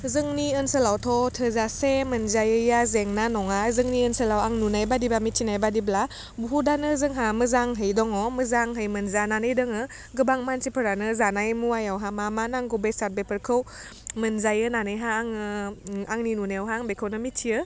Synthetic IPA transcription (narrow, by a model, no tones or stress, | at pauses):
zɯŋniənsəlawtʰɔtʰəzasemɯnzajɯjazeŋnanɔŋazɯŋniənsəlawaŋnunajbadibamitʰinajbadibla | buɦudanɯzɯŋɦamɯzaŋɦɯjdɔŋɔməzaŋɦɯjmɯnzananɯjdɯŋɯ | ɡɯbaŋmansipʰɯɾanɯzanajmuwajawɦamamanaŋɡɔbesat̚bepʰəɾkʰɯw | mɯnzajɯnanɯjɦaːŋɯaŋninunewɦaŋbekʰɯwnɯmitʰːiə